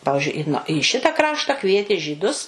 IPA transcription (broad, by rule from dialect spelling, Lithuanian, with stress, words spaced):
ˈpɑːʋʲɪʒʲʊɪ ɪ iː ˈʃʲɪtɐ ˈkrɑːʃtɐ ˈkʋʲiɛtʲeː ʒʲiːˈdʊs